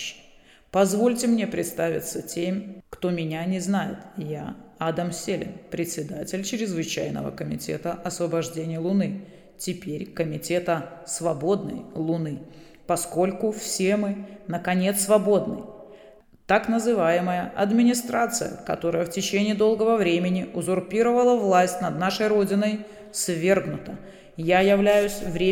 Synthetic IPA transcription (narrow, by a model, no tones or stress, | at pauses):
pɐzvo̞lʲtʲɪmnʲe̞pɾʲɪt̪st̪avʲɪ̰t̪sətʲemʲkt̪o̞mʲɪnʲanʲɪznajɪ̰t̪ja̰ad̪əmsʲelʲɪ̰npɾʲɪtʲsʲɪd̪atʲɪlʲt͡ɕɪɾʲɪzvɨt͡ɕæjnə̰və̰kəmʲɪtʲḛt̪əʔɐsvəbɐʐdʲenʲɪjəlˠʊnɨ | tʲɪpʲeɾʲkəmʲɪtʲe̞t̪əsvɐbo̞d̪nə̰jlˠʊnɨ | pɐsko̞lʲkʊfsʲemɨnəkɐnʲe̞t̪svɐbo̞d̪nɨ̰j | t̪aknəzɨvajɪməjəʔɐd̪mʲɪnʲɪst̪ɾat̪sɨ̰jə̰kɐ̰t̪o̞ɾəjəftʲɪt͡ɕenʲɪːd̪o̞lˠɡəvəvɾʲemʲɪnʲɪʊzʊrpʲiɾəvəlˠəvlˠasʲtʲnɐd̪naʂəjɾo̞dʲɪnəj | svʲe̞rɡnʊt̪ə | jajɪvlʲæjʊsʲvɾʲe